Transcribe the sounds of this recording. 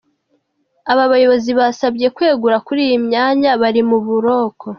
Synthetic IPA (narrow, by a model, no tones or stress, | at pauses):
aβaβajo̞βo̞ziβasabɟe̞kwe̞ːɡuɾakuɾiːjimɲaːɲaβaɾimuβuɾo̞ːkʰo̞